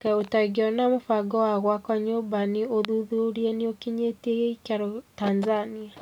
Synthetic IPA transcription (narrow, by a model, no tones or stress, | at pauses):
kaotaɡiɔnamofaɡɔwaɣwakaɲobanioðuðuɾieniokiɲeteɣeikaɾotanzania